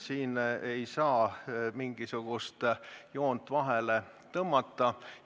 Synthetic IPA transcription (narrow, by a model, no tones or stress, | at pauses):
siːnejsɑːmiŋɡ̥isuɡ̥ust̪jo̞ːnt̪ːˑvɑɦele | t̪ɤmːɑt̪ːˑɑ